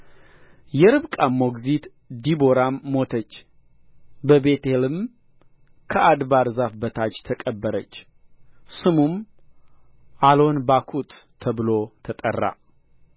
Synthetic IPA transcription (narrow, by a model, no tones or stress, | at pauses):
jɛɾɨβkʼamːo̞ɡzit̪ | d̪ibo̞ɾamːo̞t̪ʰət͡ʃː | bəbe̞t̪ʰelɨm | kʰəʔad̪baɾzafbət̪ʰat͡ʃːt̪ʰəkʼəbːəɾət͡ʃː | sɨmum | ʔalo̞nbakʰut̪ːʰ | əβɨlot̪ʰət̪ʼə̰rːa̰